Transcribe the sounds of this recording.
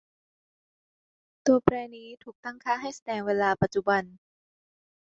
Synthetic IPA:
t̪u˧ɐpʰɾɛː˧niː˦˥t̪ʰuː˨˩k̚t̪a˥˩ŋkʰaː˥˩˨ɦa˥˩jsa˧dɛː˨˦ŋweː˧laː˧pa˨˩t̪̚t͡ɕu˧˩ba˧n

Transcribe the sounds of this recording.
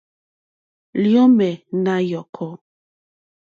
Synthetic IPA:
ljɔ˦mɛ˨na˦jɔ˨kʰɔ˦

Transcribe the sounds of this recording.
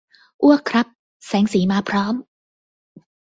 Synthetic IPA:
ʔu˥˩ɐkʰɾa˦˥p̚ | sɛː˩˦ŋsiː˩˦maː˧pʰɾɔː˦˥m

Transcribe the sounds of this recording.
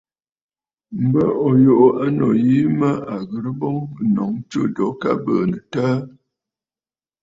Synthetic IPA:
m̩˦bə˦ɔ˨jo˨ʔo˨a˦nɔ˨ji˦mə˦a˨ɣə˨ɾə˦bɔ˦ŋ˨nɔ˨˦ŋt͡ʃə˦dɔ˨˦ka˦bəː˨nə˨taː˦

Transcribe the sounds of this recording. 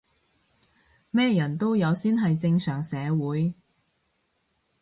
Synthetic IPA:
mɛː˥jɐ˨˩nt̪o˥wjɐ˨˧wsiː˥nɦɐ˨jt͡sɪ˧ŋsœː˨˩ŋsɛː˨˧wuː˨˥j

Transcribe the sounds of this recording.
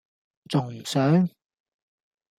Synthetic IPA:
t͡sʊ˨˩ŋjy˨˩sœː˨˥ŋ

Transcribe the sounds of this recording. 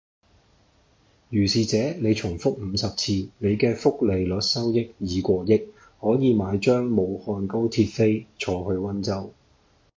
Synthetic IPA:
jyː˨˩siː˨t͡sɛː˨˥ne˨˧jt͡sʰʊ˨˩ŋfʊ˥k̚m̩ː˨˧sɐ˨p̚t͡sʰiː˧ne˨˧jkɛː˧fʊ˥k̚le˨˩jlœ˨˥t̚sɐ˥wjɪ˥k̚jiː˨˧kʷɔː˧jɪ˥k̚ | hɔː˨˥jiː˨˧maː˨˧jt͡ʃœː˥ŋmo˨˧whɔː˧nko˥wt̪ʰiː˧t̚fe˥jt͡ʃʰɔː˨˧hɵ˧ɥwɐ˥nt͡sɐ˥w

